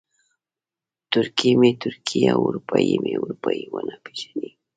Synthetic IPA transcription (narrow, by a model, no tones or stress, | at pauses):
t̪ʊɾkɪmɪt̪ʊɾkʰɪjaʊɾpajimɪʊɾpajwanapɪ̥ʃḁnɪ